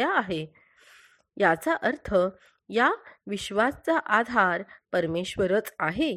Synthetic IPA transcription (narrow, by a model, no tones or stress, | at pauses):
aːɦe | jat͡saʔəɾt̪ʰə | jaʋiɕʋast͡saʔad̪ʱaɾpəɾmeɕʋəɾət͡saɦe